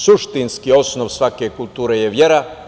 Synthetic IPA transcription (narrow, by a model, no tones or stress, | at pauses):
suʃt̪inskio̞snoʋsʋake̞kulˠt̪uːɾejeʋje̞ɾa